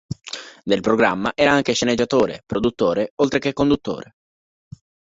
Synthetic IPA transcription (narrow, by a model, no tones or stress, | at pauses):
d̪elpɾoɡɾamːaʔɛːɾaaŋk̟eʃened͡ʒːat̪oːɾḛpɾod̪ut̪ːoːɾeolt̪ɾekekːond̪ut̪ːo̰ːɾe